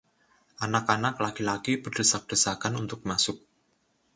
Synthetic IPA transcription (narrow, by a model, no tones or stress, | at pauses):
ʔanakanaklaɡ̥ilaɡ̥ib̥əɖ̥əsak̚ɖ̥əsakanunt̪ʊk̚masʊk̚